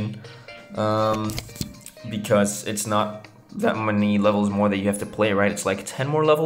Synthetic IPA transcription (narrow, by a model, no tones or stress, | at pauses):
nʔʌ̃m | bɨkʰʌzɪtsnət̪̚ | ðɨt̚mɛnilɛvl̩ˠzmɔɹðɨt͡ʃjɨhæftɨpʰl̥eɪɹaɪɾɨtslaɪktʰɛ̃nmɔɹlɛvl̩ˠ